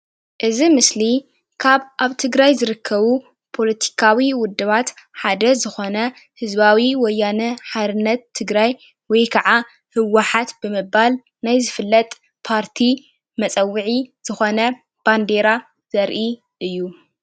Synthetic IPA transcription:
ʔɨzimɨsli | kʰaβʔaβt̪ʰɨɡɾajzɨɾɨkʰːɐβu | pʰo̞lɐt̪ʰi̥kʰawiwʊd̪ːɨβat̪ħad̪ɐzɨxo̞nɐ | hɨzbawiwɔjːanɐħad̪ɨnːɐt̪ʰːɨɡɾaj | wɔjkʰɐʕa | hɨwaħat̪bɨmɨbal | najzɨfɨlːɐt̪ʼ | pʰaɾt̪ʰi | mɐt͡sʼɐwːɨʕiz̥ɨxo̞nɐ | b̥and̪e̞ɾa | z̥ɐɾʔi | ʔɨjːu

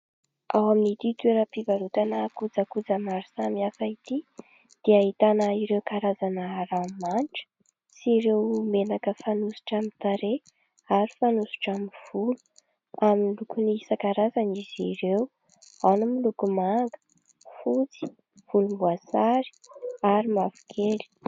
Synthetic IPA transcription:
awaminit̪it̪weɾəpivaɾut̪anəkud͡zakud͡zamaɾisamiafait̪i | d̪̥eaɦit̪anəiɾewkaɾazanəramanʈ͡ʂə̥ | siɾewmenakəfanusu̥ʈ͡ʂamint̪aɾe | aɾi̥fanusu̥ʈ͡ʂamiv̥ulu̥ | aminlukuniisakaɾazaniz̥iɾew | anumilukumaŋɡə̥ | fut͡si̥ | v̥ulumbuasaɾi̥aɾimavu̥kʰeli̥

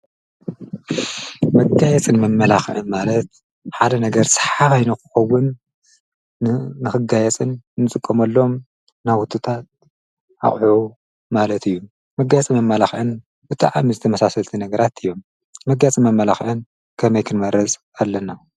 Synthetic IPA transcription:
mɐɡajɛt͡sʼɨnmɐmːɐlaxʔɨnmalɐt̪̚ | ħad̪ɐnɐɡɐɾsɐ̥ħaβajnukʰɨ̥xɐwːun | ɨxɨɡajɛt͡sʼɨnnːɨt͡sʼɨkʼːɐmɐlːo̞m | nawut̪ʰʼːɨt̪ʰat̪̚ | ʔa̰χʼħu | malɐt̪ʰɨjːu | mɐɡajt͡sʼimɐmːɐlaxʔɨn | bɨt̪ʼa̰ʕamizɨt̪ʰɐmɐsasɐlt̪ʰinɐɡɐɾat̪ʰɨjːo̞mː | ɐɡːat͡sʼimɐmːɐlaxʔɨn | kʰɐmɐjkʰɨnmɐɾɐt͡sʼ | alːɐna

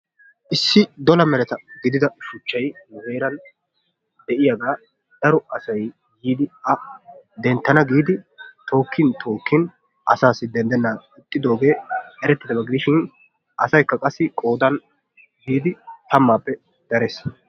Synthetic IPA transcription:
ʔɪsːɪd̪ɔlɐmɛɾɛt̪ɐɡɪd̪ɪd̪ɐʃʊt͡ʃːɐjnɐze̞ːɾɐn | d̪̥ɛʔɪjaɡaː | d̪̥ɐɾɔɐsɐj | jiːd̪ɪɐd̪ɛnt̪ːɐnɐɡiːd̪ɪt̪o̞ːkːɪnt̪ʰo̞ːkːɪn | ʔɐ̰saːsɪd̪ɛnd̪ɛnːaːɪt̪ʼːɪd̪o̞ːɡe̞ːɛɾɛt̪ːɪd̪ɐbɐɡɪd̪ɪʃɪn | ʔɐsɐjkːɐkʼɐsːɪkʼo̞ːd̪ɐn | ɡiːd̪ɪt̪ɐmːaːpːɛ | d̪̥ɐɾes

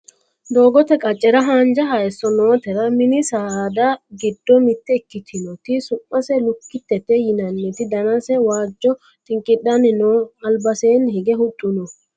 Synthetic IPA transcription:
d̪o̞ːɡɔt̪ɛkʼɐt͡ʃʼːɛɾɐɦaːnd͡ʒɐɦaɛsːɔnoːt̪ɛɾɐmɪnɪsaːd̪ɐɡɪd̪ːɔmɪt̪ːɛɪkːɪt̪ʰɪnɔt̪ɪsʊmːɐsɛlʊkːɪt̪ːɛt̪ːɛjɪnɐnːɛt̪ɪd̪ɐnɐsɛwaːd͡ʒːɔ | t̪ɪŋkʼɪɗɐnɪnoːɐlbɐseːnhɛɡɛhʊtʼːʊnɔ

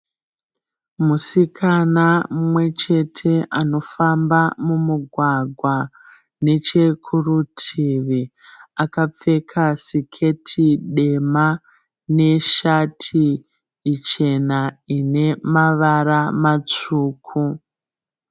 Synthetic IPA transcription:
musikʰanamumwe̞t͡ʃe̞tʰe̞ʔano̞fambamumuɡʱwaɡʱwa | ne̞t͡ʃe̞kʰurutʰiʋi | akap͡fe̞kʰasikʰe̞tʰiɗe̞ma | ne̞ʃatʰiː | t͡ʃe̞naine̞maʋaɾamat͡ʂuːkʰu

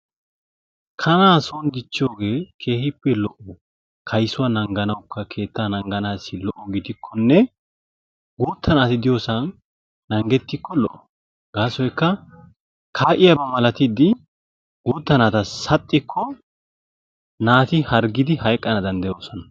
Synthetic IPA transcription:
kʰɐnaːsond̪ɪt͡ʃːɪjoːɡe̞ːkʰe̞ːhɪpːɛlɔʔɔ | kʰɐjsʊwɐnɐŋɡɐnɐwkːɐkʰe̞ːt̪ːaːnɐŋɡɐnaːsɪlɔʔɔɡid̪ɪkʰːɔnːɛ | ɡuːt̪ːɐnaːt̪ɪd̪ɪjoːsɐnː | ɐŋɡɛt̪ːɪkːɔlɔ̰ʔɔ | ɡ̥aːsɔjkːɐ | kʰaːʔɪjɐbɐmɐlɐt̪ɪd̪ɪ | ɡuːt̪ːɐnaːt̪ɐsɐt̪ʼːɪkʰːɔ | naːt̪ɪhɐɾɡɪd̪ɪhɐjkʼːɐnɐd̪ɐnd̪ɐjo̞ːsɔnɐ̥

